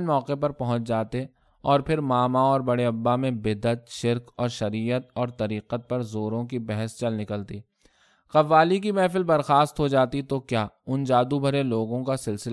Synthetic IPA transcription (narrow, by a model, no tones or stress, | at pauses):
nmɔːqepɐɾpɐɦʊ̃t͡ʃd͡ʒaːt̪e | ɔːɾpʰɪɾmaːmaɔːɾbɐɽeɐbːamẽbɪd̪ət̪ʃɪɾkɔːɾʃɐɾiːət̪̚ɔːɾt̪ɐɾiːqət̪̚pɐɾzoːɾõkibɛɦəst͡ʃɐlnɪkəlt̪iː | qɐʋaːlikimɛːfɪlbɐɾxaːst̪ɦod͡ʒaːt̪it̪okjaːʊnd͡ʒaːd̪ubʱɐɾeloːɡõkasɪlsɪl